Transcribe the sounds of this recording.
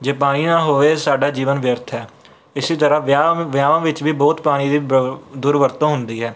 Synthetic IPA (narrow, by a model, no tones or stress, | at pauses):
d͡ʒeːpaːɽ̃iːnãːɦoːʋeːsaːɖaːd͡ʒiːʋənʋɪjəɾt̪ʰɦɛː | ɪsiːt̪əɾãːʋjaːʋãːʋɪt͡ʃʋiːbɔːt̪paːɽ̃ĩːd̪iːd̪ʊːɾʋəɾt̪õːɦʊnd̪iːɦɛː